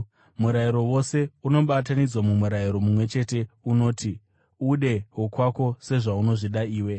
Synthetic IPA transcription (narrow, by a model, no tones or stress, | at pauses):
muɾaiɾo̞wo̞se̞uno̞ɓatanid͡zwamumuɾaiɾo̞mumwe̞t͡ʃe̞te̞uno̞ːtʰi | uɗe̞ɦokwako̞se̞ʐauno̞ʐiɗaiːwe̞